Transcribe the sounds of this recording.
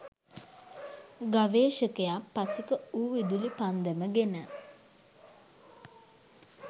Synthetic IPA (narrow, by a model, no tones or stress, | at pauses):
ɡaʋeːʃəkejapːasikəuːʋid̪ulipand̪əməɡenə